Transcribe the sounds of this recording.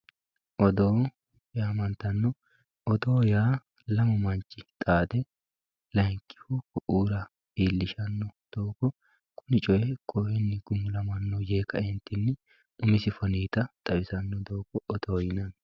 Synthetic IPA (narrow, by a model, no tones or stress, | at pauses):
ʔɔd̪oː | jaːmɐnt̪ɐnːɔ | ɔd̪oːjaː | lɐmɐmɐnt͡ʃʼːɪ̥t̪ʼaːd̪ɛ | lɐŋkʼːɪ̥hʊkɔʔuːɾɐ | iːlːɪʃɐnːɔd̪̥oːkːɔ | kʊnɪt͡ʃʼɔjɛkʰɔʔɛnːɪɡʊmːʊlɐmɐnːɔjeːkɐɛnt̪ːɪnːɪ | ʊmɪsɪfɔniːt̪ɐt̪ʼɐbɪsɐnːɔd̪oːkːɔʔɔd̪oːjɪnɐn